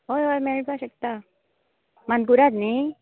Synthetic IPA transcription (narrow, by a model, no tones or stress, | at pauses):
ɦojɦojmeɭbaɕək̚t̪a | manpuɾad̪ni